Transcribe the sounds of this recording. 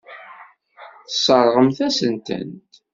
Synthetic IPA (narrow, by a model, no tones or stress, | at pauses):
θəsˤəɾˤʁəmθæsənt̪ə̰nt̪